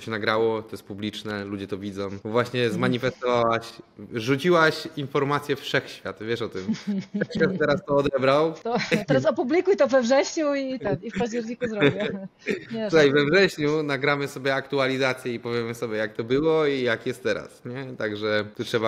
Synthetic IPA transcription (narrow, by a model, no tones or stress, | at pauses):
ɕɛnaɡɾawɔt̪ɔjɛst̪publʲit͡ʂnɛlud͡ʑɛt̪ɔvʲizɔ̃m̃vwaɕɲɛzmaɲifɛst̪ɔvawaɕʐut͡ɕiwaɕinfɔɾmat̪sʲjɛfʂɛxɕfʲjat̪vʲjɛʂɔt̪ɪmfʂɛxɕfʲjat̪t̪ːɛɾast̪ɔɔd̪ɛbɾawt̪t̪ɛɾasɔpublʲikujt̪ɔvɛvʐɛɕɲuit̪ɛnifpaʑd͡ʑɛɾɲikuzɾɔ | ut̪ajvɛvʐɛɕɲunaɡɾamɘsɔbʲjɛakt̪ualʲizat̪sʲjɛipɔvʲjɛmɘsɔbʲjɛjak̚t̪ɔbɘwɔijakjɛst̪ːɛɾa̰sɲɛt̪aɡʐɛt̪utʂɛba